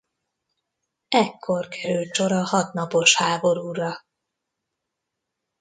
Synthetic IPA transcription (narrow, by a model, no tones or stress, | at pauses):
ɛkʰːo̞rkʰɛɾylt͡ʃo̞ɾɒhɒt̪nɒpo̞ʃhaːbo̞ɾuːrɒ